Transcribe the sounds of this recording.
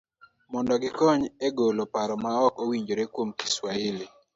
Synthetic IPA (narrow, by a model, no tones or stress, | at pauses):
mɔndɔɡɪkɔɲeɡolopaɾɔmaɔkowiɲd͡ʒoɾekwomki̥swaɪli